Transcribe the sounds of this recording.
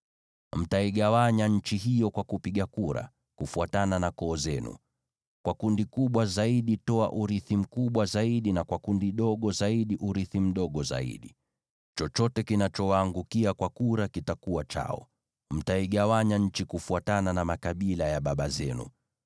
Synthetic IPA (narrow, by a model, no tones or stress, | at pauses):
m̩taiɠawaɲaɲ̩t͡ʃiɦijɔkwakupiɠakuɾa̰ | kufuatananakɔːzɛnṵ | kwakundikuɓwazaiɗitɔa̰ʔuɾiθim̩kuɓwazaiɗinakwakundiɗɔɠɔzaiɗiʔuɾiθim̩ɗɔɠɔza̰ḭɗi | t͡ʃɔt͡ʃɔtɛkinat͡ʃɔwaːŋɡukiakwakuɾakitakuwat͡ʃa̰ɔ̰ | m̩taiɠawaɲaɲ̩t͡ʃikufuatananamakaɓilajaɓaɓazɛnṵ